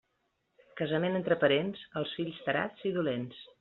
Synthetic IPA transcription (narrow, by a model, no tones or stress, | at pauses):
kəzəmenənt̪ɾəpəɾensəlˠsfiʎʲst̪əɾa̰t͡siðulens